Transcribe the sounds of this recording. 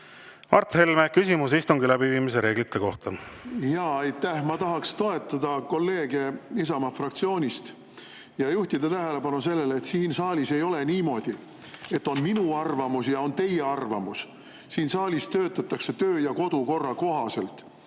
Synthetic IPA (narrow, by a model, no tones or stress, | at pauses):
ɑrt̪he̞lmekysimus̬ist̪uŋɡilæb̥iviːmis̬eɾe̞ːɡlit̪ːˑeko̞ht̪ɑjɑːɑjt̪ːæhmɑt̪ɑɦɑkst̪o̞e̞t̪ːˑɑd̪ɑko̞lːe̞ːɡ̥e̞isɑmɑfrɑkt̪sio̞ːnʲist̪ | jɑjuht̪id̪̥ɑt̪æɦe̞le̞pɑnuse̞lːe̞let̪siːnsɑːlʲise̞jo̞le̞niːmo̞ːd̪̥i | e̞t̪ːˑo̞nminuɑrvɑmusjɑo̞nt̪e̞jeɑrvɑmus | siːnsɑːlʲist̪ø̞ːt̪ːˑɑt̪ːˑɑkse̞t̪øːjɑko̞d̪̥uko̞rːɑko̞ɦɑse̞lt̪